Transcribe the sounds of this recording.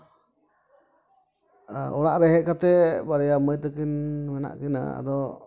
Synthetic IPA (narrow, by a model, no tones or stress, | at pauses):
ɔɽaʔɾɛɦɛʔkat̪ɛbaɾɛjaməjt̪əkinmɛna̰ʔkina̰a̰d̪ɔ